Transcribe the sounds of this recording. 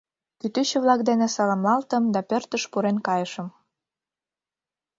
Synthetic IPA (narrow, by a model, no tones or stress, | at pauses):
kyt̪yɕeβlɑkd̪enesɑlɑmlɑlt̪əmd̪ɑpørt̪əʃpuɾenkɑjəʃəm